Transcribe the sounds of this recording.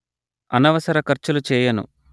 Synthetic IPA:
ɐnɐʋɐsɐɾɐkɐɾt͡ʃulut͡ʃɛːjɐnṵ

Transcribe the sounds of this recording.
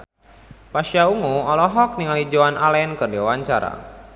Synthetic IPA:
paʃiauŋuɔlɔɦɔk̚niŋalid͡ʒoanʔalɛnkɨrdiwawaɲt͡ʃaɾa̰

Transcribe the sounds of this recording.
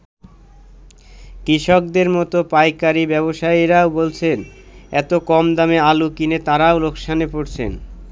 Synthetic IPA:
kɾiʃok̚d̪eɾmɔt̪opajkaɾibɛβoʃaiɾaobolt͡ɕʰen | ɛt̪okɔmd̪amealukinet̪aɾaolokʃanepoɾt͡ɕʰḛn

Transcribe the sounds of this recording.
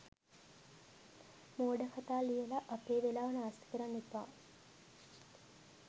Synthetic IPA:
moːɖəkat̪aːlijəlɐʔapeːʋelaːʋənəːst̪ə̥kəɾanːet̪ʋaː

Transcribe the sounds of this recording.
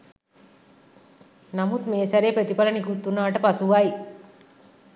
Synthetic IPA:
namut̪meːsæɾepɾet̪ipalənikut̪ːunaːʈəpasuʋai

